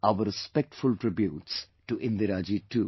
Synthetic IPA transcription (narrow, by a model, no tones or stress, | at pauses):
aʊʋəɾɪspɛk̚ʈfʊlʈɾɪbjuːʈs | ʈuʔɪ̃nd̪ɪɾaːd͡ʒiʈuː